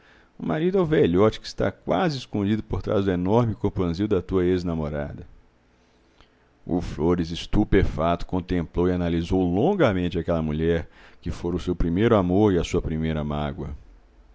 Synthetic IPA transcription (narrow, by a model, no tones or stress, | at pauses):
ʊ̰maɾid̪ʊɛwvɛʎɔt͡ʃɪ̥kɪ̥st̪a̰kwazɪːskõd͡ʒid̪ʊpoɾt̪ɾa̰zd̪ʊenɔɾmɪkopɐ̃ziwd̪ɐt̪uɐeznamoɾa̰d̪ɐ | ʊ̰floɾizɪst̪upefat̪ʊ̥kõnt̪ẽmplowɪanalizowlõŋɡɐmẽnt͡ʃɪakɛlɐmuʎɛɾkɪfoɾ̃ʊsewpɾimejɾʊamoɾɪɐsuɐpɾimejɾɐmaɡwɐ